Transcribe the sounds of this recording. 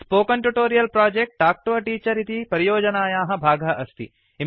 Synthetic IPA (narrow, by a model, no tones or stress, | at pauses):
spoːkɐɳʈuʈoːɾijɐlpɾaːd͡ʒek̚ʈ̚ːaːk̚ʈoːɐʈiːt͡ʃɐɾit̪ipɐɾijoːd͡ʒɐnaːjaːɦɐ̆bʱaːɡɐʔɐst̪ʰḭ | i